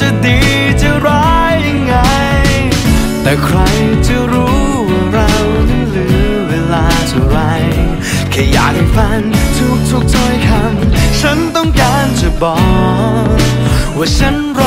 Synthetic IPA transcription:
t͡ɕa˧˩di˨˩ | t͡ɕa˧˩ɾaː˦˥jŋːa˧j | t̪ɛː˨˩kʰɾa˧jt͡ɕa˧˩ɾuː˨˦˨ | ɾa˧wta˧˩lɯ˨˦ | weː˧laː˧tʰɔ˧˩ɾa˧˥j | kʰaː˨˧˩jaː˨˩k̚ha˨˩jfa˧˥nt̪ʰu˧˩k̚t̪ʰu˨˧˩k̚t͡ɕɔ˧˥jt̪ʰa˧mt͡ɕʰə˧˥nt̪ɔ˧˩ŋkaː˧nt͡ɕa˧˩bɔː˨˩ | waː˧˩t͡ɕʰa˧˦˥nɾa

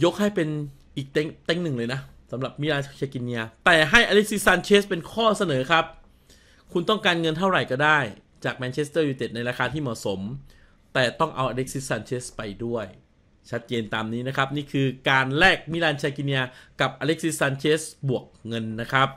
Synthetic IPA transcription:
jo˦˥k̚ha˥˩jpe˧n | ʔiː˨˩k̚t̪e˦˥˩ŋt̪e˦˥˩ŋnɯ˨˩ŋlɤː˧jna˦˥ | sa˩˦mɾa˨˩p̚mi˦˥laː˧nt͡ɕʰaː˧ki˧ni˧a˧t̪ɛː˨˩ɦa˥˩jʔaː˧le˦˥k̚si˦˥saː˧nt͡ɕʰeː˦˥spe˧nkʰɔː˥˩sa˧nɤː˩˦kʰɾa˦˥p̚ | kʰu˧nt̪ɔ˥˩ŋkaː˧nŋɤ˧nt̪ʰa˥˩wɾa˨˩jkɔː˥˩daː˥˩j | t͡ɕaː˨˩k̚mɛː˧nt͡ɕʰe˦˥st̪ɤː˥˩juː˧˩t̪e˨˩na˧jɾaː˧kʰaː˧t̪ʰiː˥˩mɔː˨˩so˩˦m | t̪ɛː˨˩t̪ɔ˥˩ŋʔa˧wʔa˧le˦˥k̚si˦˥sːaː˧nt͡ɕʰeː˦˥spa˧jdu˥˩əj | t͡ɕʰa˦˥t̪̚t͡ɕeː˧nt̪aː˧mniː˦˥na˦˥kʰa˦˥p̚niː˥˩kʰɯː˧kaː˧nlɛː˥˩k̚mi˦˥laː˧nt͡ɕʰaː˧ki˧ni˧a˧ka˨˩p̚ʔaː˧le˦˥k̚si˦˥saː˧nt͡ɕʰeː˦˥sbu˨˩ək̚ŋɤ˧nːa˦˥kʰɾa˦˥p̚

